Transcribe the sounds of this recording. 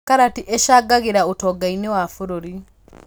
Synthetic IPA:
kaɾatiʔeʃaɡaɣeɾaotɔɡainewafuɾoɾi

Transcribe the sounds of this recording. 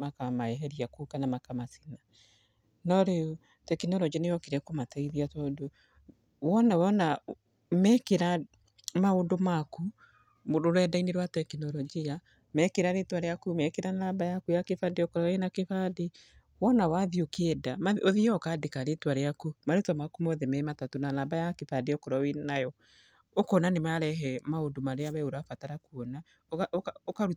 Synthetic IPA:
makamaɛɦɛɾiakukanamakamasina | nɔɾeu | tɛkinɔɾɔd͡ʒianejɔkeɾɛkomataiðiatado | wɔnawɔna | mɛkeɾa | maondomaku | moɾoɾwɛdaineɾwatɛkinɔɾɔd͡ʒia | mɛkeɾaɾetwaɾeakumɛkeɾanabajakujakefadeɔkɔɾɔwenakefade | wɔnawaðiokeːdamaoðiɔɔkaːdekaɾetwaɾeakumaɾetwamakumɔðemɛematatonanabajakefadejɔkɔɾawenajɔ | okɔnanemaɾɛɦɛmaondomaɾeaβɛoɾafataɾakuɔna | okaɾu

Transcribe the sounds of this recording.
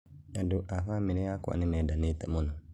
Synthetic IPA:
adʊʔafamĩnɪ̃akʊa̰nɪ̃nɛ̃danẽtɛmɔ̃nʊ̃

